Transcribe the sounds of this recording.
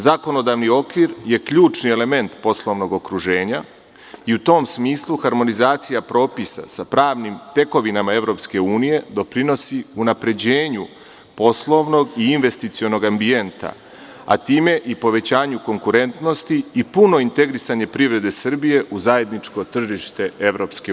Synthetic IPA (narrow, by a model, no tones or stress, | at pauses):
zako̞no̞d̪aʋnio̞kʋiɾje̞kʎuːt͡ʃnie̞le̞me̞nt̪po̞slˠo̞ʋno̞ɡo̞kɾuʒe̞ːɲa | iut̪o̞ːmsmiːslˠuxaɾmo̞nizaːt̪sijapɾo̞ːpisa̰sapɾaːʋnimt̪e̞ko̞ʋinamae̞ʋɾo̞pske̞uːnije̞d̪o̞pɾino̞siunapɾe̞d͡ʑe̞ːɲu | po̞slˠo̞ʋno̞ɡiːnʋe̞st̪it̪sio̞no̞ɡambie̞nt̪a̰ | a̰t̪iːme̞ʔipo̞ʋe̞t͡ɕaːɲuko̞ŋkuɾe̞nt̪no̞st̪iːpuno̞int̪e̞ɡɾisaɲe̞pɾiʋɾe̞d̪e̞sr̩bije̞ʔuzaje̞d̪nit͡ʃko̞t̪r̩ʒiʃt̪e̞e̞ʋɾo̞ːpske